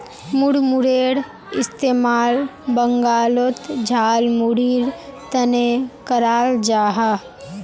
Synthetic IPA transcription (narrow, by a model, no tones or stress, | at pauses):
mʊɽmʊɽeːɽ | ɪst̪eːmaːlbəŋɡaːlot̪d͡ʒʱaːlmʊɽiːɽt̪ənekəɾaːld͡ʒaːɦa